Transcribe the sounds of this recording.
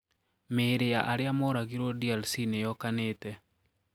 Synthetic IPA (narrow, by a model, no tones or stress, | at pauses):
meɾejaʔaɾeamɔɾaɡiɾodialsinejɔkaneːtɛ